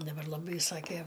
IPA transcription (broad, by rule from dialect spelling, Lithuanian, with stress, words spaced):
dɐˈbɐr lˠɐˈbɐɪ ˈsɑːkʲeː